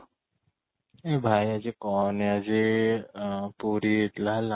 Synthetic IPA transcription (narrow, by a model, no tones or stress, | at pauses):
ebʱajad͡ʒekɔːnead͡ʒe | puɾit̪lala